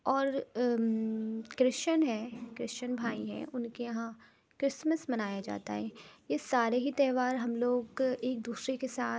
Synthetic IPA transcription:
ɔːɾ | kɾɪst͡ʃənɦɛːkɾɪʃt͡ʃənbʱaːiɦɛ̰̃ʔʊnkejɐɦã | kɾɪsməsmɐnaːjad͡ʒa̰ːt̪a̰ɦɛ̃ːjesaːɾeɦit̪ɛːʋaːɾɦɐmloːɡeːk̚d̪uːsɾekesaː

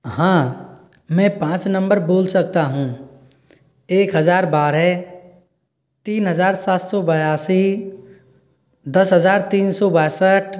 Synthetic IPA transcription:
hãː | mɛ̃pãːt͡ʃnə̃mbəɾboːlsək̚t̪aɦũː | eːkɦəzaːɾbaːɾɛ | t̪iːnɦəzaːɾsaːt̪sɔbəjaːsi | d̪ɐsɦəzaːɾt̪iːnsɔbaːsəʈʰ

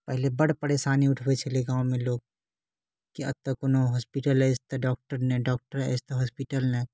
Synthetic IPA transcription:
pɛɦlebɐɽpɐɽeʃaːniʊʈʰbet͡ʃʰɐleɡãːwmẽloːɡ̚ | kiɐ̰b̚t̪ɐkʊnõɦɔːspiʈəlɛst̪ɐɖɔːk̚ʈəɾnɛ̃ɖɔːk̚ʈəɾɛ̰ɪst̪eɦɔːspiʈəlnɛ

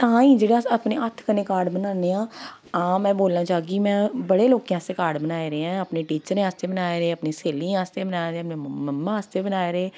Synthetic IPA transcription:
t̪ãːĩːd͡ʒeːɽaːəpneːət̪ʰkəneːkaːɾɖbənãːneːãː | ãːmɛ̃ːboːlnãːd͡ʒaːɡiːmɛ̃ːbəɽeːloːkijãːst̪eːkaːɖbənaːeːɾeãːəpneːʈiːt͡ʃəɾẽaːst̪eːbənaːeːɾeːəpneːseːliːãːst̪eːbənaːeɾẽːəpneːəmːãːaːst̪eːbənaːeːɾeː

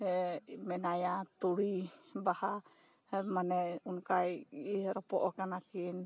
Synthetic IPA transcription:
mɛnajat̪uɽibaha | manɛunkajiɾɔpɔʔɔkanakin

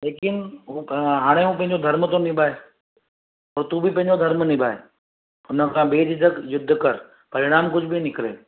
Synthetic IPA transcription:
leːkɪnuɦaːɽ̃eɦũːpɐ̃ɦɪ̃ɲd͡ʒod̪ʱɐɾmt̪õnɪbʱaːe | ɔːɾt̪uːbʱipɐ̃ɦɪ̃ɲd͡ʒod̪ʱəɾmnɪ̃baːḛ | ʊnəkʰãːbeːd͡ʒ̪ɪd͡ʒəkjʊd̪ʱːkəɾ | pɐɾɪɽ̃aːmkʊd͡ʒʱbʱinɪkɾeː

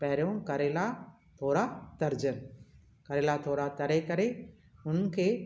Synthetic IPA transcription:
pɛɦɾjõkɐɾela | t̪ʰoːɾat̪ɐɾd͡ʒən | kɐɾeːlat̪ʰoːɾat̪ɐɾekɐɾe | ʊnkʰeː

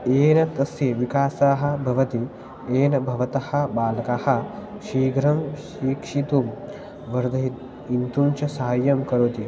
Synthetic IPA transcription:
eːnɐt̪ɐsjeʋikaːsaːɦɐ̆bʱɐʋɐt̪i | eːnɐbʱɐʋɐt̪ɐhɐ̆baːlɐkahɐ̆ʃiːɡʱɾɐmʃiːkʂit̪um | ʋɐɾd̪ʱɐɦit̪ | int̪unt͡ʃɐsɐːɐjːɐmkɐɾut̪i

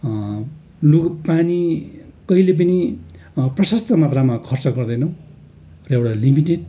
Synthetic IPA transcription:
luɡpanikʌilep̬ʌni | prʌsʌst̪ʰʌmat̪ramakʰʌrt͡sʌɡʌrd̪ʌjnʌw̃ | rʌewɽalimiʈeɖ̚

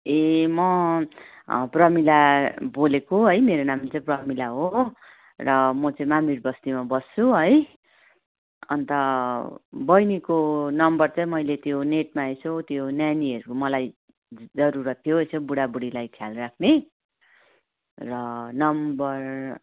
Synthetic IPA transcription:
emʌ | prʌmilabolekoɦʌjmeɾonamt͡sʌĩprʌmilaɦo | rʌmʌt͡sʌĩmamirbʌst̪imabʌst͡sʰuɦʌj | ʌ̰nt̪ʌ | bʌjnikonʌmbʌrt͡sʌĩmʌjlet̪joneʈ̚maesʰʌt̪jonjaniʌɾukomʌlaj | d͡zʌɾuɾʌt̪ʰːijoesʰʌ̃buɽabuɽilajt̪ʰjalrakʰne | rʌnʌmbʌr

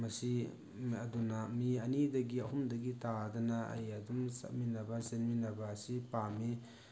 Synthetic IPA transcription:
mɐsi | ɐdunamiɐnidɐɡiɐɦumdɐɡitadɐnaɐ̰jadumsa̰minɐbasenminɐbasipami

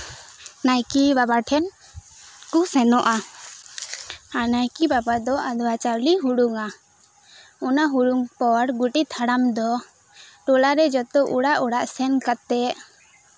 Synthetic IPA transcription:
najkibabaʈʰɛn | kusɛnɔʔa | anajkibabad̪ɔad̪wat͡ʃaɾliɦuɽuŋa | ɔnaɦuɽuŋpɔɾɡuʈit̪ʰaɽamd̪ɔ | ʈɔlaɾɛd͡ʒɔt̪ɔʔuɽaʔuɽaʔsɛnkat̪ɛʔ

